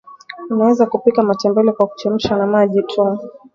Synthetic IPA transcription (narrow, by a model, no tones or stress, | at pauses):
unawɛzakupikamatɛmbɛlɛkwaku̥t͡ʃam̩ʃanamaʄitʰum